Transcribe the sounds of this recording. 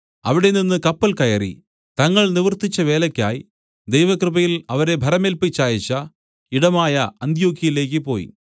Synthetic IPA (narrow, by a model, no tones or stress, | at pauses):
ɐ̰ʋiɽe̞ninːɨkɐpːɐlkɐjɐrḭ | t̪ɐŋːɐɭniʋɐrt̪it͡ɕːɐʋe̞ːlɐkʲːa̰ːji | d̪ejʋɐkrɨbɐjilɐʋɐɾe̞bʱɐɾɐmelpit͡ɕːaːjɐt͡ɕːɐ | iɽɐmaːjɐɐnd̪joːɡʱjɐjile̞ːk̬ːɨpo̞̰ːjḭ